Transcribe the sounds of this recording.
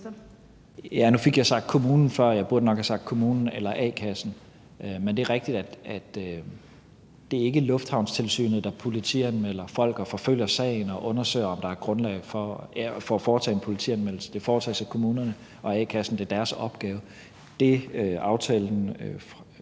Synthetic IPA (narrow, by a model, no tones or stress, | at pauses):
jænufe̝ɡ̥jɑ̈ɪsɑ̈ɡ̥d̥kʰo̝muːnn̩fɶɐ̰jɑ̈ɪb̥uɐd̥ənɒ̽ɡ̥hæsɑ̈ɡ̥d̥kʰo̝muːnn̩elɐʔɛ̰ːkʰæsn̩ | ʔømend̥e̝æɐʁeɡ̥̚d̥id̥æd̥æd̥ | d̥e̝æɐe̝ɡ̥əlɔ̽fd̥hɑ̈ʊnst͡sʰe̝lsy̰ːnð̩ˠd̥ɑ̈pʰo̝lit͡sʰiænmel̰ɐfɒ̽l̰ɡ̥ɒfɒ̽føl̰jɐsɛ̰ɪn̩ɒ̽ʔɔ̽nɐsø̰ɪɐɒ̽md̥ɑ̈æɐ̥ɡ̥ʁɔ̽nlɛ̰ɪfɒfɒ̽æfɒːt͡sʰɛ̰ːe̝npʰo̝lit͡sʰḭænmel̰l̩səd̥e̝fɒːt͡sʰɛ̰ːsɑ̈ɪkʰo̝muːnɐnə | ʔɒ̽ɛ̰ːkʰæsn̩d̥e̝ɐd̥æɐsɒ̽b̥̚ɡ̥ɛːʊ | d̥e̝ʔɑ̈ʊt͡sʰɛːln̩